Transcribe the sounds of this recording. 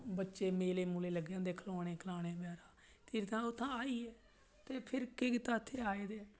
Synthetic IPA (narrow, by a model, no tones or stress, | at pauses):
bətːʃeːmeːleːmuːleːləɡjãːd̪eːkʰloːɽeːkʰəlaːñeːbjaːɾãː | t̪iːɾt̪ãːʊt̪ʰːãːaːiːɛː | t̪eːpʰɪɾkekt̪ãːt̪ʰːeːaːeːd̪eː